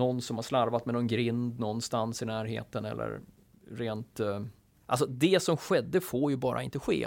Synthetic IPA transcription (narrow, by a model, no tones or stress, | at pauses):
nɔnːsɔmhaʂlaɾvat̪mɛnɔnɡɾɪnd̪nɔnːst̪ansɪnæːɾɦḛːt̪ənɛ̰lːə̰ɾ | ɾeːnt̪ | ʔa̰lsɔd̪ɛsɔmɧɛd̪ːəfoːɾjɵbɑːɾʔaɪnt̪əɧḛː